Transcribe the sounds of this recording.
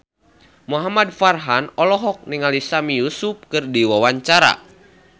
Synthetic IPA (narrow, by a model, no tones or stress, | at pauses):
muɦamad̚farɦanɔlɔɦɔk̚niŋalisamijusup̚kɨrdiwawaɲt͡ʃaɾa̰